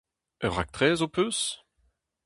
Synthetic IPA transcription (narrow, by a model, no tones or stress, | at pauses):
œʁa̰k̚t̪χɛːzopøs